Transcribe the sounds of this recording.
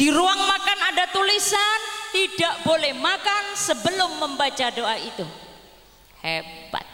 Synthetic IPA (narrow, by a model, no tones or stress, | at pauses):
d̥iɾuaŋmakanadat̪ulisant̪idaʔbolɛhmakansəbəlʊmːəmbat͡ʃadoʔait̪u | heba̰t̪̚